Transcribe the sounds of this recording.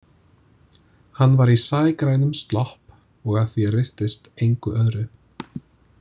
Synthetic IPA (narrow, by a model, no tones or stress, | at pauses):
hanːvaɾisaːjkɾaːjnʏmst̪lɔhp | ɔɣaθjɛrɪr̥t̪ɪst̪ejŋkʏʔœðɾʏ